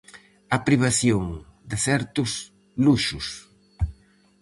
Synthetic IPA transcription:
ɐpɾiβ̞aθjoŋd̪ɪθɛɾt̪ʊs | luʃʊs

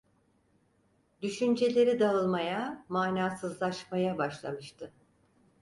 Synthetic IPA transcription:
d̪yʃynd͡ʒe̞lʲe̞ɾid̪aɯlˠmajamaːnaːsɯzlˠaʃmajabaʃlˠa̰mɯʃt̪ʰɯ

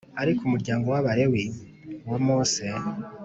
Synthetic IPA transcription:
aɾikʰumuɾɟaːŋɡo̞waβaɾe̞wi | womose

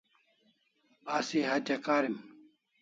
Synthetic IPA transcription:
asiɦat͡ɕɐkaːɾim

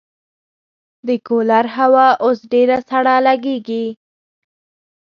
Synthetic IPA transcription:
d̪əkolaɾɦawɑʔosɖeɾasaɽalaɡeɡi

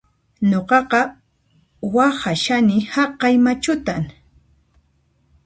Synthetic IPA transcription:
ɲoqɑqɑ | wahaʃanɪhɑqːɑjmat͡ʃʊt̪aŋ

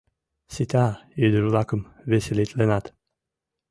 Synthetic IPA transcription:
sit̪ʰajød̪yɾlˠakɯm | vesilit̪lenat̪

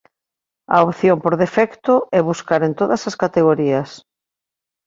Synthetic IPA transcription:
ɐ̰opθjompoɾðefɛkt̪ʊɛβuskaɾent̪oðɐsɐskat̪eɣoɾiɐs

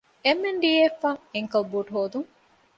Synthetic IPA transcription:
emːeɳɖiːeːfːaeŋkɐbuʈɦoːd̪uŋ

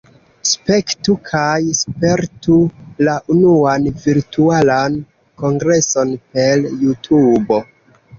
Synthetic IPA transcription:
spe̞ktukʰajspe̞ɾtulaʔunuanviɾtualan | ko̞ŋɡɾe̞so̞npeljutʰubo̞

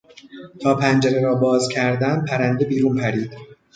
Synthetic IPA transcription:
t̪ʰɒːpʰænd͡ʒæɾeɾɒːbɒːzcʰæɾd̪æn̚pʰæɾænd̪e̞biːɾuːnpʰæɾiːd̪̥

